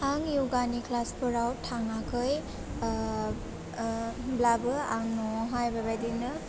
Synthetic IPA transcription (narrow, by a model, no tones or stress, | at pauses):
haŋjuɡanikʰlaspʰɯɾawtʰːaŋakʰɯj | blabɯaŋnɔɦajbabajdinɯ